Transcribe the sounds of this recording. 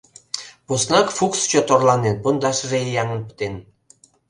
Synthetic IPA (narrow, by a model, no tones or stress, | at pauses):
pusnɑkfukst͡ɕot̪orlɑnenpənd̪ɑʃrejɑŋə̆npə̥t̪en